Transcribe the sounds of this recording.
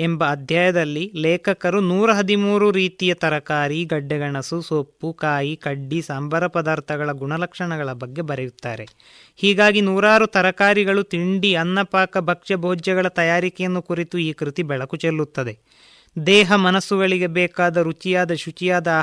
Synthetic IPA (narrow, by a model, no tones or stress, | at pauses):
embɐːd̪ʱjaːjɐd̪ɐlːilɛːkʰɐkɐɾunuːɾɐɦɐd̪imuːɾuɾiːt̪ijɐt̪ɐɾɐkaːɾiɡɐɖːɛɡɐɳɐsusoːpːukaːjikɐɖːisaːmbʱɐɾɐpɐd̪aːɾt̪ʰɐɡɐɭɐɡuɳɐlɐkʂɐɳɐɡɐɭɐbɐɡːe̞bɐɾejut̪ːaːɾe̞ | hiːɡaːɡinuːɾaːɾut̪ɐɾɐkaːɾiɡɐɭut̪iɳɖiɐnːɐpaːkɐbʱɐkʂɐbʱoːd͡ʒɐɡɐɭɐt̪ɐjaːɾikɛjɐnːukuɾit̪uiːkɾit̪ibɛɭɐkut͡ʃelːut̪ːɐd̪e̞ | d̪ɛːɦɐmɐnɐsːuɡɐɭiɡe̞bɛːkaːd̪ɐɾut͡ʃijaːd̪ɐʃut͡ʃijaːd̪ɐ